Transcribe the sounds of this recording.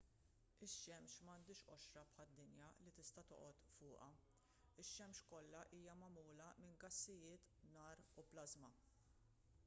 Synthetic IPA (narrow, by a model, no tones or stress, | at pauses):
ɪʃːɛmʃmɐːnd̪ɪːʃʔɔʃɾɐpħɐd̪ːɪnjɐlit̪ɪst̪ɐt̪ɔ̰ʔɔt̪fʊːʔɐ | ɪʃːɛmʃkɔlːɐʔiːjɐmɐmuːlɐmɪnɡɐsːɪjɪːt̪nɐːɾuplɐzmɐ